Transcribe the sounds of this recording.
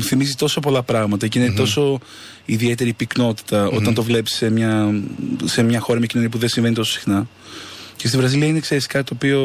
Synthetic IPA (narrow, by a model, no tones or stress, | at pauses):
uθimizit̪o̞so̞po̞lɐpɾɐɣmɐt̪ɐcinet̪o̞so̞ | iðie̞t̪e̞ɾipikno̞t̪i̥t̪ɐo̞t̪ɐnt̪o̞vle̞pi̥ssemɲɐ | semɲɐxoɾɐmɲɐcinoniɐp̬uðensiɱve̞nit̪o̞so̥si̥xnɐ | ce̞st̪ivɾɐziliɐinekseɾist̪i̥kɐt̪ːoːpio̞